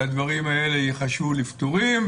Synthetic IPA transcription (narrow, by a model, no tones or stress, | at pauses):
ad̪vaʁimae̞lejeχaʃulift̪oʁim